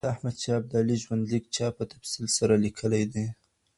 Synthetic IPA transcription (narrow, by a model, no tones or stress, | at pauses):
ahmad̪̚t͡ʃɑb̚d̪ɑliʒwand̪likt͡ʃɑpət̪afsilsaɾalikʰəlajd̪e